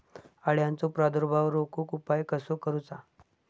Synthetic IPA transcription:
aɽjãnt͡sopɾad̪əɾbʱaʋɾokokupajkəsokəɾut͡sa

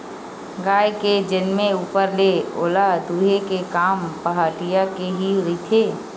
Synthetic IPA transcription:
ɡaːjked͡ʒɪnmẽuːpəɾleoːlad̪uːɦekekaːmpəɦaːʈijakeɦiɾit̪ʰeː

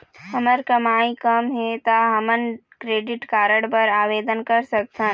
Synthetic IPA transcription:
hɐməɾkɐmaːĩkɐmɦɛt̪aɦɐmən | kɾeːɖɪʈkaːɾəɽpɐɾaːʋeːd̪ənkɐɾsɐk̚t̪ãː

